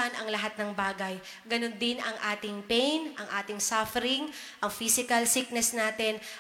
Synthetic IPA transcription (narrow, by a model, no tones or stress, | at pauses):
ɐnɐŋlɐɦat̪̚nɐŋbaːɡɐj | ɡɐnond̪ɪnɐŋʔaːt̪ɪŋpɛjnʔɐŋʔaːt̪ɪŋsafɛɾɪŋ | ʔɐŋfiːsɪkɐlsik̚nɛsnaːt̪ɪn